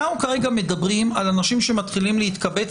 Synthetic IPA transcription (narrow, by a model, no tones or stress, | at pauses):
aukaʁe̞ɡame̞dabʁimalanaʃimʃe̞mat̪χilimleit̪kabe̞